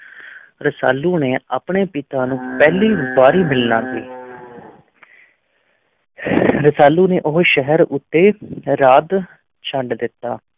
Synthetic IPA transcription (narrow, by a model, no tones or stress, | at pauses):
ɾəsa̰ːluːneːaːpɳeːpɪt̪ãːnũːpɛːliːbaːɾiːmɪlnaːsḭː | ɾəsaːluːneːʔʊɦʃəɦəɾʊt̪ːeːɾaːd̪ | t͡ʃʰəɳɖd̪ɪt̪ːaː